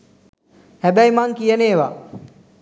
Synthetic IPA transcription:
hæbæjmaŋkijəneːʋa̰

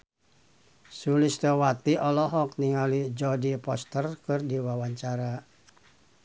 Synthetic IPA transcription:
sulist̪əwat̪iʔɔlɔɦɔk̚niŋalid͡ʒɔdipɔ̰st̪ərkɨrdiwawaɲt͡ʃaɾa

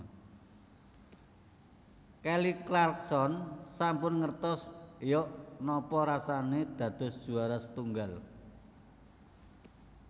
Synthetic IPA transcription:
kɛliklarksɔnsampʊnŋərt̪ɔsjɔʔnɔpɔɾasaned̪̥ä̤d̪̥ɔ̤sd̥ʒ̥ṳaɾasə̥t̪uŋɡal

